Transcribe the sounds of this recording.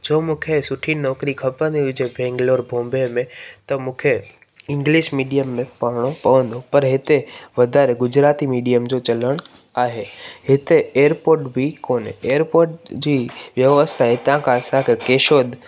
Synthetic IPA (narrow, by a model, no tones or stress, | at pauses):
d͡ʑoːmũːkʰesʊʈʰinnɔːkɾikʰɐpə̃nd̪iʊd͡ʑebɛ̃ːŋɡloːɾbʱõːmbemẽt̪ɐmũːkʰe | ɪ̃ŋɡliːʃmiːɖijəmːẽpaːɾɽ̃opɐʋə̃nd̪opɐɾɦɪt̪eʋɐd̪ʱaːɾeɡʊd͡ʑɾaːt̪imiːɖijəmd͡ʑot͡ɕɐləɽ̃ | aːɦehɪt̪eeːəɾpoːɾʈbʱikoːneːəɾpoːɾʈd͡ʑiːʋjɐʋəst̪ʰaɦɪt̪ãkʰãɐsãkʰekeːʃoːd̪